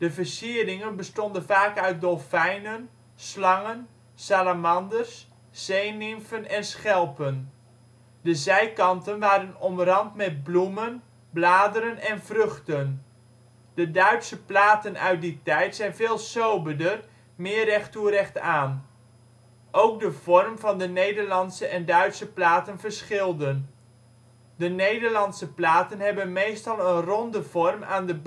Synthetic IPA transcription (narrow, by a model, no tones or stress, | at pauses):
d̥əvərsiəɾɪŋənbəstɔndənvaːkœɥt̚dɔlˠfɛjnən | slɑŋən | salamɑndərsː | ejnɪmfənɛnsχɛlˠpən | dəzɛjkɑntənʋaːɾənɔmərɑntmɛt̚blumən | blaːdəɾənɛnvrøχtən | d̥ədœɥtsəplaːtənœ̰ɥt̚ditɛjtsɛjnvɪːlˠsowbədər | mɪːrɛχtuəɾɛχtaːn | ʔowk̚dəv̥ɔrmvɑndənejdəɹlɑntsəʔɛndœɥtsəplaːtənvəɹsχɪlˠdən | dənejdəɹlɑnsəplaːtənɦɛbənmejstɑlˠənrɔndəv̥ɔrma̰ːndəb